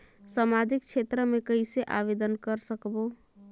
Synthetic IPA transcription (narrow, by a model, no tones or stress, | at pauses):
samad͡ʒikt͡ʃʰet̪ɾəmekəɪseʔa̰ʋed̪ənkəɾsəkbo